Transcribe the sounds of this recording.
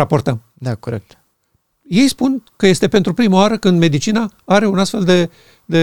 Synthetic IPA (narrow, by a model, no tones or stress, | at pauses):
apo̞rt̪əm | d̪akoɾek̚t̪ | je̞jspunkəje̞st̪e̞pent̪ɾupɾimawaɾəkɨnd̪me̞d̪it͡ʃinaaɾe̞unast̪fe̞ld̪e̞ | d̪e